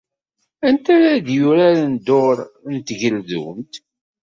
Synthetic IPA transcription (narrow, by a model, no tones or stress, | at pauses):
ænt̪æɾaðjʊɾaɾand̪oɾnt̪ʝəlðṵmt̪